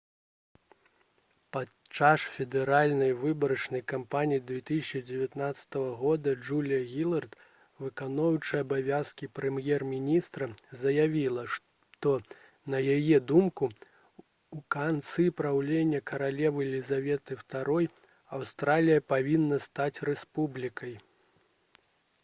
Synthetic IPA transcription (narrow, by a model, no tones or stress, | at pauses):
pa | t͡ʂːasfʲɛd̪ɛɾalʲnɐjvɨbɐɾɐt͡ʂnɐjkampanʲijid̪vʲɛt̪ɨsʲt͡ʂɨd͡zʲɛvʲat̪nat̪sɐ̥t̪ɐvɐɣɔd̪ɐd͡ʐulʲijɐɣʲilˠɐrt̪ | vɨkanɔwt͡ʂɨjɐbavʲaskʲipɾɛmjɛrmʲinʲist̪ɾɐzɐjavʲilˠɐ | t̪ɔ | nɐjajɛd̪umku | ukant̪sɨpɾawlʲenʲːɐkɐɾalʲɛvɨlʲizavʲɛt̪ɨwt̪aɾɔj | awst̪ɾalʲijɐpavʲinːɐst̪at͡sʲrɛspublʲikɐj